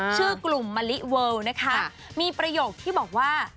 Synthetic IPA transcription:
t͡ɕʰɯː˥˩klu˨˩mːa˧li˦˥ʔ̚wɤː˧wna˦˥kʰa˦˥ | miː˧pɾa˧joː˨˩k̚t̪ʰiː˥˩bɔː˨˩k̚waː˥˩

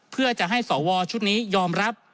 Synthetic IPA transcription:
pʰɯ˥˩ɐt͡ɕa˨˩ʔɦa˥˩jsɔː˩˦wɔː˧t͡ɕʰu˦˥t̪̚niː˦˥jɔː˧mɾa˦˥p̚

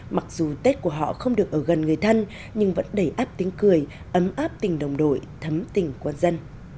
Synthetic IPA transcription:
ma˨˩k̚zu˨˩t̪e˦˥t̚ku˧˩əɦɔ̰˧˨xə˧wŋ͡mɗɨ˨˩ək̚ʔəː˧˩ɣə˨˩nŋɨ˨˩əjt̪ʰə˧n | ɲɨ˧ŋvə̰˧˥nɗə˧˩jʔaː˦˥p̚t̪i˨˦əŋkɨ˨˩əj | ʔə˨˦mʔaː˦˥p̚t̪ï˨˩ŋ̟ɗə˨˩wŋ͡mɗo̰˧˩˨jt̪ʰə˨˦mt̪ï˨˩ŋ̟kwa˧nzə˧n

